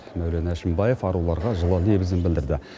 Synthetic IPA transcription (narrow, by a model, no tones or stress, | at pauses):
mæwlenæʃɪmbɑje̞fɑɾulˠɑɾʁɑʒəlˠəlne̞bɪzɪnbɪld̪ɪɾd̪ɪ